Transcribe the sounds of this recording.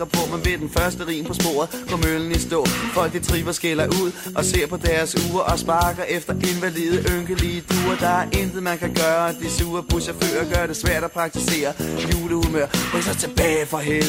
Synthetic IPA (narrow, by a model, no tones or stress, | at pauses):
ɐpʰɔ̽mænʋe̝d̥enfɶɐsd̥əʁḭːmpʰɒ̽sb̥o̝̰ːɐðˠpʰɒ̽møln̩əisd̥ɔ̰ːfɒ̽l̰ɡ̥d̥it͡sʰʁifɐsɡ̥elɐʔuð̰ˠʔɒ̽se̝̰ɐ̰pʰɒ̽d̥æːɐsuːɐʔɒ̽sb̥ɑ̈ːɡ̥ɐʔefd̥ɐʔe̝nʋælḭːð̞̩ˠʔøŋɡ̥əlid̥ʰuːɐd̥ɑ̈æɐʔend̥ð̩ˠmænkʰæɡ̥ɶːɐæd̥esuːɐpʰusɑfø̰ːɒɡ̥ɶːɐɾe̝sʋæɐ̰ɾ̥æpʰʁɑ̈ɡ̥̚t͡sʰise̝̰ːɐjuːləhumøɐ̰esɐt͡sʰe̝b̥ɛːfɒ̽ɦel